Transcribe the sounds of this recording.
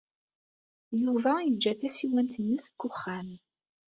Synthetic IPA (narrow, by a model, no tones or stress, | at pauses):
juvæjəd͡ʒːæθæsiwænt̪ənːisə̥kːʊχːæm